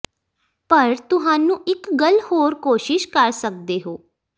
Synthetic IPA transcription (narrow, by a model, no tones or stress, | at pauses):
pəɾt̪ʊɦãːnũːʔɪkɡəlhoːɾkoːʃɪʃkəɾsək̚d̪eːɦoː